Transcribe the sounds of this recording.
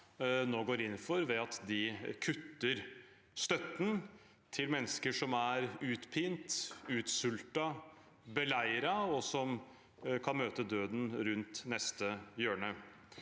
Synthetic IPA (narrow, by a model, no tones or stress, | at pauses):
noːɡoːɾɪnn̩fɔɾʋɛɑt̪d̪ɪkʰʉt̪ːəɾ | st̪œt̪ːn̩ | t̪ʰɪlmɛnːəskəʂɔmæɾʉːt̪pʰiːnt̪ʉːt̪sʉlt̪ɑ | bəlæɪɾɑɔsɔm | kʰɑnmøːt̪əd̪øːd̪n̩ɾʉnt̪nɛst̪əjøːɳə